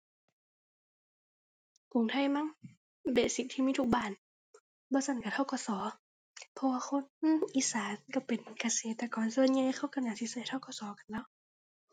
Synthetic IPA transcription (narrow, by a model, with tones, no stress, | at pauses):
ku˨ŋt̪ʰa˧˩˨jma˧˥˨ŋ | beː˨˩si˧˩t̪ʰiː˧˨miː˧˥˨u˧˩k̚baː˧˩n | bɔː˧˦sa˧˩nka˧˩t̪ʰa˧˩wkɔː˧˩sɔː˨˦ | pʰɔ˧waː˧kʰo˧˥˨nʔiː˧˩saː˨˦nka˧˩pe˨nkaː˧seː˨˦t̪ːaː˧˩kɔː˨˦nsɤː˧˨nɲaː˧˨˧xʰa˧˥˩wka˧˩naː˧˨˩si˧sa˨˧˩jt̪ʰa˧˥˩wkɔː˧˩sɔː˨˦ka˧˨nlɛː˧˥˨w